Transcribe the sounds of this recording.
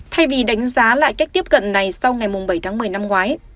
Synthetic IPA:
t̪ʰa˧jvi˨˩ɗa˨˦jŋ̟zaː˨˦la̰ː˧˨jka˦˥k̟̚t̪i˦˥əp̚kə̰˧˨nna˨˩jsa˧wŋa˨˩jmʊ˨˩ŋ͡mɓə˧˩jt̪ʰaː˨˦ŋmɨ˨˩əjna˧mŋwaː˨˦j

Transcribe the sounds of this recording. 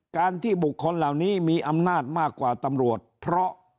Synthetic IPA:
kaː˧nt̪ʰiː˥˩bu˨˩kʰːo˧nla˨˩wniː˦˥miː˧ʔa˧mnaː˥˩t̪̚maː˥˩kːwaː˨˩t̪a˧mɾu˨˩ət̪̚pʰɾɔ˦˥ʔ

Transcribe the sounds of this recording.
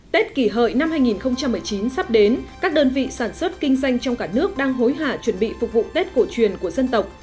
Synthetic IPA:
t̪e˦˥t̚ki˧˩ɦə̰˧˨jna˧mhaː˧jŋi˨˩nxə˧wŋ͡mt͡ɕa˧mːɨ˨˩əjt͡ɕi˨˦nsa˦˥p̚ɗe˨˦nkaː˦˥k̚ɗəː˧nvḭ˧˨saː˧˩nswə˦˥t̚kï˧ŋ̟za˧jŋ̟t͡ɕɔ˧wŋ͡mkaː˧˩nɨ˦˥ək̚ɗaː˧ŋɦo˨˦jɦaː˧˩t͡ɕwə˧˩nɓḭ˧˨fʊ˨˩k͡p̚vṵ˧˨t̪e˦˥t̚ko˧˩t͡ɕwi˨˩ənku˧˩əzə˧nt̪ə˨˩wk͡p̚

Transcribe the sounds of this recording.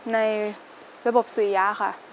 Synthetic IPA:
na˧j | ɾa˧bo˨˩p̚su˨˩˦jaː˦˧˥kʰa̰˥˩ʔ

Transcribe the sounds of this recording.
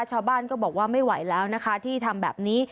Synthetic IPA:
t͡ɕʰaː˥˩wbaː˥˩nkɔː˥˩bɔː˨˩k̚waː˥˩ma˥˩jwa̰˩˦jlɛː˦˥wna˦˥kʰa˦˥t̪ʰiː˥˩t̪ʰa˧mbɛ̰ː˨˩p̚niː˦˥

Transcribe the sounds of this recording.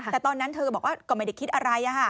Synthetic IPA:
ɛ˨˩t̪ɔː˧nːa˦˥nt̪ʰɤː˧bɔː˨˩k̚waː˥˩kɔː˥˩ma˥˩jda˧˩kʰi˦˥t̪̚ʔa˧ɾa˧jʔa˨˩kʰa˥˩

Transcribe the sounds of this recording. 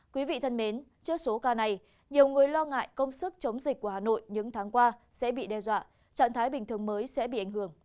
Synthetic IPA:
kwi˨˦vḭ˧˨t̪ʰə˧nme˨˦nt͡ɕɨ˦˥ək̚so˨˦kaː˧na˨˩j | ɲi˨˩əwŋɨ˨˩əjlɔ˧ŋa̰ː˧˨jkə˧wŋ͡msɨ˦˥k̚t͡ɕə˨˦wŋ͡mzi˨˩k̚ku˧˩əhaː˨˩no̰˧˨jɲɨ̰˧˥ŋt̪ʰaː˨˦ŋkwaː˧ | sɛ̰˧˥ɓḭ˧˨ɗɛ˧zwa̰ː˧˨ | t͡ɕa̰ː˧˨nt̪ʰaː˨˦jɓï˨˩ŋ̟t̪ɨ˨˩əŋməː˨˦jsɛ̰˧˥ɓḭ˧˨ʔa˧˩jŋ̟hɨ˧˩əŋ

